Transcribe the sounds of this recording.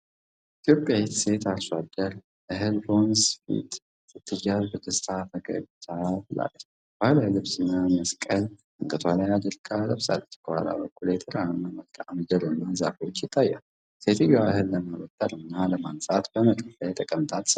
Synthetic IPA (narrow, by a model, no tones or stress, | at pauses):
ʔit̪ʰjo̞pʼjajet̪set̪ʰaʃad̪əɾ | ʔɨɦɨlbo̞nsfḭt̪ | jɨt̪ʰːɨjːazbɨt̪ːɨst̪ʰat̪ʰəɡə̰ɡt̪ʰabɨla̰lːə | bhalalɨβsɨnːaməskʼəlt̪ɨŋkʼɨt̪ʰalajad̪əlkʰʼaləβsa̰lːət͡ʃːkʰəha̰la̰bəkːulet̪ʰəɾanːaməlkʰʼaʕmɨd͡ʒɛlnːaza̰fiwot͡ʃːjɪt̪ʰːajːa̰l | set̪ʰɨjaʔɨhɨlːəmawət̪ʼːəɾɨnːaləmansʼat̪b̥əməkʼəfəjt̪ʼəkʼəmt̪ʰat̪ʰs